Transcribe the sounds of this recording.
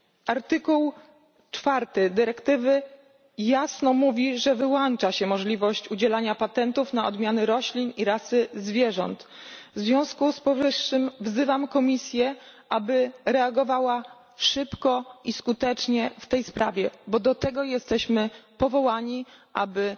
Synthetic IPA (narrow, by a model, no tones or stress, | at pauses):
ʔaɾt̪ɘkuw | t͡ʂfaɾt̪ɘd̪ɘɾɛkt̪ɘvɘ | jasnɔmuvʲiʐɛvɘwɔnt͡ʂaɕɛmɔʐlʲivɔɕt͡ɕud͡ʑɛlaɲapat̪ɛnt̪ufn̪aɔ̰d̪mʲjanɘɾɔɕlʲiniɾasɘzvʲjɛʐɔ̰nt̪vzvʲjɔ̃w̃skuspɔvɘʂːɘmvzɘvamkɔmʲisʲjɛʔabɘɾɛaɡɔvawa | ʂɘpkɔiskut̪ɛt͡ʂɲɛft̪ɛjspɾavʲjɛbɔd̪ɔt̪ɛɡɔjɛst̪ɛɕmɘpɔvɔwaɲiʔa̰bɘ